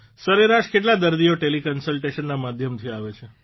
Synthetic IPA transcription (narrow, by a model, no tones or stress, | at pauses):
səɾeɾaʃkeʈlad̪əɾd̪ijoʈelikənsəlʈeʃənːamad̪ʱjəmt̪ʰiaʋet͡ʃʰe